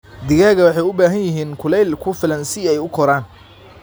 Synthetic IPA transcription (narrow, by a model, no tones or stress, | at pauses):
d̪ɪɣaːɣɐwɑħɑjʊbaːɦɐnjɪɦiːnkʰʊlɛjlkʰʊfɪlɐnsɪɛjʊkʰɔɾaːn